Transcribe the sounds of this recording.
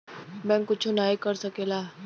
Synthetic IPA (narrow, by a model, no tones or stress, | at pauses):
bɛ̃ŋkːut͡ʃʰunajkəɾsəkela